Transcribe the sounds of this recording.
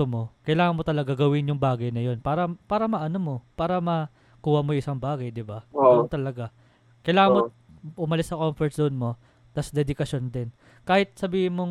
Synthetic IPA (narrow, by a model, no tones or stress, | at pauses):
omo̞kɐjlaːŋɐnmot̪ɐlɐɡaɡɐwɪnjʊŋbaːɡɐjnɐjo̞npaːɾɐpaːɾɐmɐʔɐnomo̞paːɾɐmɐ | kuːhɐmojʊŋʔɪsaŋbaːɡɐjd̪ɪbaont̪ɐlɐɡa | kɐjlaːŋɐmo | ʔʊmɐlɪsɐkomfɛɹt̪̚d̪oʔnmo̞ | t̪ɐsɐd̪ɛd̪ɪkɐʃjond̪ɪn | kaːhɪt̪̚sɐbiːhɪnmoŋ